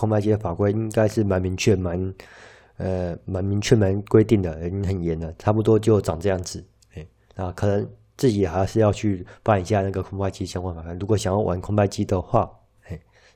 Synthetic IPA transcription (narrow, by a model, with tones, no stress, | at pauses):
kʰʊ˥ŋpa˥˧ɪt͡ɕi˥d̪ə˨˩fa˨˩kwe˥ɪi˦˥ŋka˥ɪʂɻ̩˥˩ma˧˥nmi˧˥ŋt͡ɕʰɥɛ˥˩ma˧˦˥n | ə˧ma˧˥nmi˧˥ŋt͡ɕʰɥɛ˥˩ma˧˥nkwe˥ɪt̪i˥˩ŋd̪ə˩ɻə˧˥i˥ŋxə˨˩njɛ˧˥˦nd̪ə˨ʈ͡ʂʰa˥p̬u˧t̪wɔ˥t͡ɕjo˥˩ʊʈ͡ʂɑ˨˩ŋʈ͡ʂɤ˥˧jɑ˥˩ŋd͡zɹ̩˨˩˦ | e˥˩ɪ | na˥˩kʰɤ˨˩nə˧˦ŋ | t͡sɹ̩˥˩t͡ɕi˨˩xa˧˥ɪʂɻ̩˥˧jɑ˥˧ʊt͡ɕʰy˥˩pa˥˩ni˨˩ɕja˥˧na˥˩ɡə˩kʰʊ˥ŋpa˥˧ɪt͡ɕi˥˧ɕjɑ˥ŋkwa˧˥nfa˨˩kʰa˥˩nɻu˧˥kwɔ˨˩ɕjɑ˨˩ŋjɑ˥˩ʊwʔa̰˧˥nkʰʊ˥ŋpa˥˧ɪt͡ɕi˥d̪ə˨xwa˥˩ | e˥˩ɪ